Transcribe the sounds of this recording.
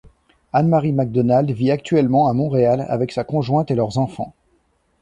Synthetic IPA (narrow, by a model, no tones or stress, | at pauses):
anmaʁimaɡ̚d̪ɔnald̪viak̚t̪ɥɛlmɑ̃amɔ̃ʁeala̰vɛksakɔ̃ʒwɛ̃t̪elœʁzɑ̃fɑ̰̃